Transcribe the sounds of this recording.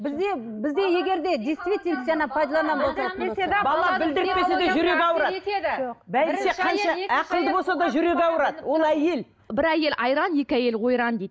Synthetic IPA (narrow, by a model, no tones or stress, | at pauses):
bɪzd̪e | bɪzd̪e̞je̞ɡʲe̞ɾd̪e̞d̪ist̪vʲit̪ʲent̪ʒɑnɑpʰɑjd̪ɑlˠɑnɑbolˠt̪ebɑlˠɑbɪld̪ɪɾɪt̪pːe̞sed̪eʒʏɾe̞ɡʲɑwəɾɑdebælse̞qʰɑnʃɑæqəlˠd̪əbosɑd̪ɑʒʏɾe̞kʲɑwəɾɑd̪əəwo̞lˠæje̞l | bɪɾæje̞lʔɑjɾɑnje̞kʲɪæje̞lqo̞jɾɑnd̪ejd̪